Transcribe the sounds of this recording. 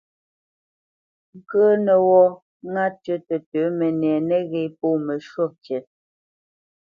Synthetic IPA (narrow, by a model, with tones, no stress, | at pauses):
ŋ̩˦˨kəː˦nə˨wɔ˦ | ŋa˦tɥə˦tə˨tə˨˦mɛ˨nɛ˨nɛ˦ɣɛ˨poː˦˨mə˨ʃo˦t͡ʃjɛ˨t̚